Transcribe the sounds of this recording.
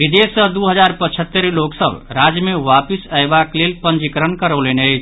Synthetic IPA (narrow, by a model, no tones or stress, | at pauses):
bid̪esːəd̪uɦəd͡ʒaɾpət͡ʃʰət̪ːəɾloksəbɾad͡ʒjmeʋapisaebaklelpənd͡ʒikɾənkəɾəwlenəjt͡ʃʰ